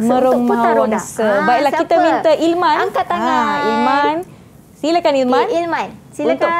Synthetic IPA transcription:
mə̃ɾoŋmɦawaŋsəbailahkit̪əmint̪əʔilmãnailman | silakanilmãnm | unt̪ʊ

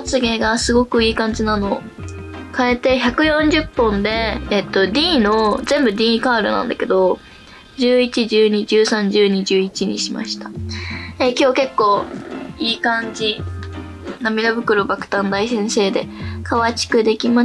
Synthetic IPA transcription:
ot͡sɨɡe̞ɡasɨɡo̞kɯ̟iːkãɲ̟d͡ʑinano̞ː | kae̞t̪e̞çakɯ̟jõ̞ɲd͡ʑɨpːõ̞nd̪e̞ːt̪ːo̞d̪ʲiːno̞zẽ̞mbɯ̟d̪ʲiːkaːɾɯ̰nã̰nd̪ake̞d̪o̞ | d͡ʑɨːit͡ɕiʑɨːɲ̟id͡ʑɨːsãɲ̟d͡ʑɨːɲ̟id͡ʑɨːit͡ɕiɲ̟ḭɕima̰ɕi̥t̪ḁ | ekʲo̞ːke̞kːo̞ːiːkãɲ̟d͡ʑi | namʲid̪abɯ̟kɯ̟ɾobakɯ̟̥t̪ãnd̪aisẽ̞ɰ̃se̞ːd̪ekʰaβat͡ɕi̥kɯ̟d̪e̞kʲima

